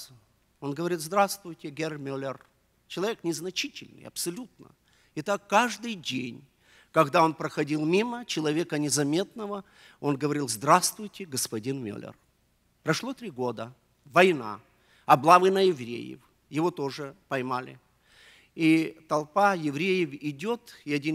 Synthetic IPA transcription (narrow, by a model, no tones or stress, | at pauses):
o̞nɡəvɐɾʲit̪zd̪ɾast̪vʊjtʲɪɡʲermʲolʲɪr | t͡ɕɪlˠɐvʲeknʲɪznɐt͡ɕitʲɪlʲnɨ̰jɐ̰psɐlʲut̪nə̰ | ɪt̪akːaʐd̪ɨjdʲenʲ | kɐɡd̪ao̞npɾəxɐdʲilˠmʲimət͡ɕɪlˠɐvʲekənʲɪzɐmʲe̞t̪̚nəvə | o̞nɡəvɐɾʲilˠzd̪ɾast̪vʊjtʲɪɡəspɐdʲinmʲo̰lʲɪ̰r | pɾɐʂlˠot̪ɾʲiɡo̞d̪ə | vɐjna̰ | ɐblˠavɨnəjɪvɾʲḛjɪ̰f | jɪvo̞t̪o̞ʐɨpɐjmalʲɪ̰ | it̪ɐlˠpajɪvɾʲejɪvɪdʲo̞t̪ɪɐdʲin